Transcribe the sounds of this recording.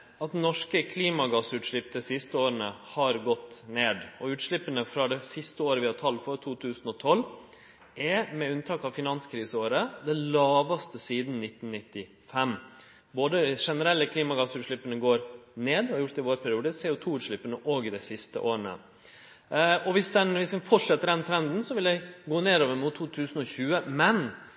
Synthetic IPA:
ɑt̪nɔʂkəkʰliːmɑɡɑsʉːt̪ʂɭɪpːd̪ɛsɪst̪əoːɾənəhɑɾɡɔt̪ːneːd̪ɔʉːt̪ʂɭɪpːənəfɾɑd̪ɛsɪst̪əoːɾəʋɪhɑt̪ʰɑlfɔɾt̪ʰuːt̪ʰʉːsn̩ɔt̪ʰɔl | ʔɛmɛʉnt̪ʰɑːkɑʋfɪnɑnskʰɾiːsəoːɾəd̪ɛlɑːʋɑst̪əsiːd̪n̩nɪt̪ːnnɪt̪ːɪ | fɛm | boːd̪əʂɛnəɾɛlːəkʰliːmɑɡɑsʉːɾʂɭɪpːənəɡoːɾneːd̪ɔɑɾjʊɾʈt̪ɪʋoːɾpʰæɾɪjuːd̪əseːʊt̪ʰuːʉːɾʂɭɪpːənəʔɔɡɪd̪ɛɪsɪst̪ə̰ʔoːɾənə̰ | ɔʋɪsd̪ɛnʋɪsʋɛnfɔʈʂɛt̪ːəɾd̪ɛnt̪ʰɾɛnd̪n̩sɔʋɪljɛɪɡoːneːɾoːʋəɾmʊt̪ʰːuːt̪ʰʉːsn̩ɔçʉːəmɛn

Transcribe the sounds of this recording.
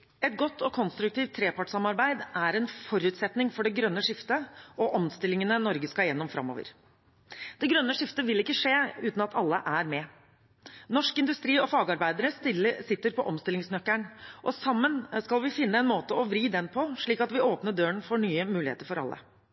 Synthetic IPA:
ɛt̪̚ɡɔt̪ːɔkʰɔnst̪ɾʉk̚t̪iːʋt̪ʰːɾeːpʰɑʈsɑmɑɾbæɪd̪æɾɛnfɔɾʉːt̪sɛt̪nɪŋfɔɖɛɡɾœnːəʂɪft̪əɔʔɔmst̪ɪlːɪŋənənɔɾɡəskɑjɛnːɔmfɾɑ̰mːo̰ːʋə̰ɾ | d̪̥ɛɡɾœnːəʂɪft̪əʋɪlɪkːəʂeːʉːt̪nɑt̪ʰɑlːəʔæɾmɛ | nɔʂkɪnd̪ʉst̪ɾiːɔfɑːɡɑɾbæɪd̪əɾəsɪt̪ːəɾpʰɔʔɔmst̪ɪlɪŋsnœkːæɳʔɔsɑmːənskɑlʋɪfɪnːəɛnmoːt̪əɔʋɾiːd̪ɛnpʰɔʂɭiːkɑt̪ʋɪʔoːpnəɖøːəɳfɔɳyːəmʉːɪḛːt̪əɾfɔɾɑ̰lːə̰

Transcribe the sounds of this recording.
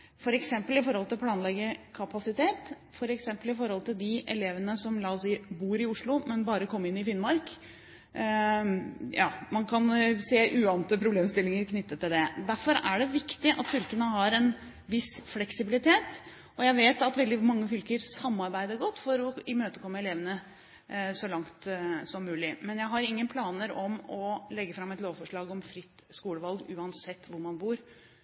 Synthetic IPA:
fɔɾɛksɛmpəlɪfɔɾhɔlt̪ɪlpʰlɑːnlɛɡːəkʰɑpɑsɪt̪ʰeːt̪ | fɔɾɛksɛmpəlɪfɔɾhɔlt̪ʰɪld̪ɪʔɛ̰leːʋənəsɔmlɑːɔsiːbuːɾɪʊʂɭʊmɛnbɑːɾəkʰɔmːɪnːɪfɪnmɑɾk | jɑ̰ːmɑnkʰɑnseːʔʉːɑnət̪əpʰɾʊbleːmst̪ɪlːɪŋəɾkʰnʏt̪ːət̪ʰːɪld̪ɛd̪æɾfɔɾæɖɛʋɪkt̪ɪʔɑt̪fʏlkənəɦɑɾɛn | ʋɪsflɛksɪbɪlɪt̪ʰeːt̪ | ɔjæɪʋeːt̪ɑt̪ʋɛld̪ɪmɑŋːəfʏlkəɾsɑmːɑɾbæɪd̪əɾɡɔt̪ːfɔɾɔɪmøːt̪əkʰɔmːəɛleːʋənə | sɔlɑŋt̪sɔmːʉːlɪmɛnjæɪɦɑɾɪŋːənpʰlɑːnəɾɔmɔlɛɡːəfɾɑmːɛt̪loːʋfɔʂɭɑːɡɔmfɾɪt̪ː | skuːləʋɑlɡʉːɑnsɛt̪ːʋʊɾmɑnbuːɾ

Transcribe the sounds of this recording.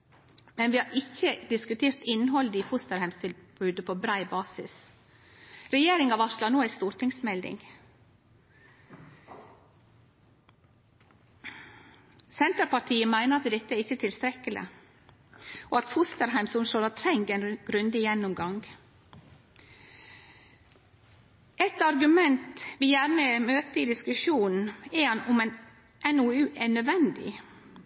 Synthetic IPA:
mɛnʋɪːhɑɾɪçəd̪ɪskʉt̪ʰeːɾt̪ɪnːɦɔld̪əifʊst̪əɾhæɪmst̪ʰɪlbʉːd̪əpʰobɾæɪbɑːsɪ̰s | ɾɛjeːɾɪŋɑːʋɑʃlɑnoːæst̪uːɾt̪ʰɪŋsmɛld̪ɪ̰ŋ | sɛnt̪əɾpɑʈʰiːəmæɪnəɾɑt̪d̪ɛt̪ːəɛɾɪçət̪ʰɪlst̪ɾɛkːəlɪ̰ | ʔoːɑt̪fʊst̪əɾɦæɪmsɔmsoːlɑt̪ʰɾɛŋɡɛnɡ̥ɾʉnd̪ɪjɛnːʊmɡɑŋɡ | ɛt̪ɑɾɡʉmɛnt̪ʋɪjæɾnəmøːt̪əiːd̪ɪskʉʃuːnn̩ɛhɑnʊmɛn | ʔɛnʊʉːʔɛɳœd̪ʋɛnd̪ɪ̰

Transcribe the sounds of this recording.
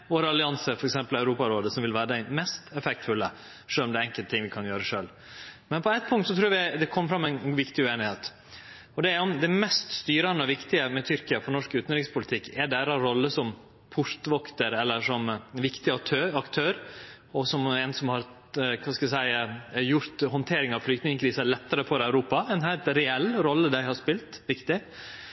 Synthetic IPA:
ʋoːɾəɑlɪɑnsəɾfɔɾɛksɛmpəlæʉɾuːpɑɾoːd̪əsɔmʋɪlʋæːɾəd̪æɪmɛst̪ɛfɛk̚t̪fʉlːə | ʂøːlɔmd̪ɛɛŋkəlt̪t̪ʰːɪŋʋɪkʰɑnjøːɾəʂøːl | mɛnpʰɔɛɪt̪̚pʰʊŋkt̪sɔt̪ʰɾuːɾɑʋɪd̪ɛkʰɔmːəfɾɑmːɛɪnʋɪkt̪ɪʉeːnɪheːt̪ | ɔd̪ɛæɾɔmd̪ɛɪmɛst̪st̪yːɾɑnəɔʋɪkt̪ɪəmɛt̪ʰʏɾkɪɑfɔɾnɔʂkʉːt̪nɾɪŋspʰʊlɪt̪ʰɪkːɛɖæɾɑɾɔlːəsɔm | pʰʊʂt̪ʋɔkt̪əɾɛlːəʂɔmʋɪkt̪ɪɑt̪ʰøɑkt̪ʰøːɾ | ɔsɔmɛnsɔmhɑɾ | kʰɑskɑd̪sæɪjʊɾt̪hɔnt̪ʰeːɾɪŋɑʋflʏkt̪nɪŋəkʰɾiːsəlɛt̪ːəɾəfɔɾæʉɾuːpɑɛnhæɪt̪ɾɛɛlːɾɔlːəd̪æɪhɑʂpɪlt̪ʋɪkt̪ɪ

